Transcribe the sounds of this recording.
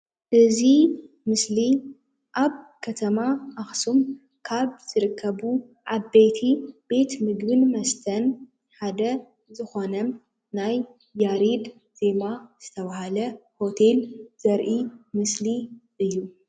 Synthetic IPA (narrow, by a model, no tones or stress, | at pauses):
ʔɨzi | mɨsli | ʔaβkʰɐt̪ʰɐmaaxsum | kʰaβz̥ɨɾɨkʰːɐβu | ʔaβbe̞t̪ʰib̥e̞t̪mɨɡbɨnmɐst̪ʰɐn | ħad̪ɐ | zɨxo̞nɐm | najː | aɾid̪ | z̥e̞maz̥ɨt̪ʰɐβahalɐho̞t̪ʰe̞lz̥ɐɾʔimɨsliʔɨjːu